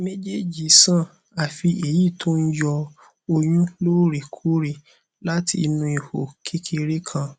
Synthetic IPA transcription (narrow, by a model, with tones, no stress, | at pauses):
me˦d͡ʒe˦˨d͡ʒi˨sã˦˨ | a˨fi˧e˨ji˦˨tʰo˦n̩˦d͡ʒɔ˧ | o˧j̃ũ˦loː˦ɾi˨kʰu˨˦ɾi˨ | la˦tʰḭ˧nũ˧i˨ho̰˨kʰi˦kʰe˧ɾe˦kʰã˧